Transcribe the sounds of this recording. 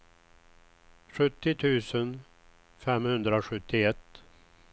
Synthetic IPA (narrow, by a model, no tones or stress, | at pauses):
ɧɵt̪ːɪt̪ʰʉ̟ːsən | fɛmhɵnd̪ɾaɧɵt̪ʰːɪɛt̪ː